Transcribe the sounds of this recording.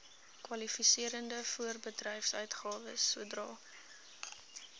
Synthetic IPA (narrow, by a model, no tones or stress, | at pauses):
kwɐlifisiəɾəndəfuərbədrɛjfsœ̰ɥtχɑːvəsːuədrɑ̰ː